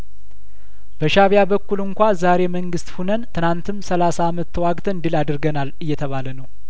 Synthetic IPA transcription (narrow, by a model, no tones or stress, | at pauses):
b̥əʃaβjabəkːulɨŋkʷazaɾe̞məŋɡɨst̪funənt̪ʰɨnant̪ʰɨmsəlasaːmət̪ʰːəwaɡt̪ʰənd̪ɨlad̪ɨɾɡənalɨjːɛt̪ʰəβalənəw